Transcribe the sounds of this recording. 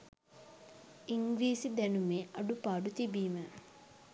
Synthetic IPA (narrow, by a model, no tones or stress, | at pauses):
iŋɡɾiːsid̪ɛnumeːʔɐɖupaːɖut̪ibiːmə